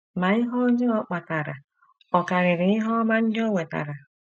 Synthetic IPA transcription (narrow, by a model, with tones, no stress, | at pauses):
ma˨i˦ɦɔ˦d͡ʒe˦ɔ˦k͡pa˨ta˨ɾa˨ | ɔ˨ka˨ɾɪ˨ɾɪ˨˦ɪ˦ɦɔ˦ma˦n̩˦dɪ˦o˦ŋʷe˨ta̰˨ɾa˨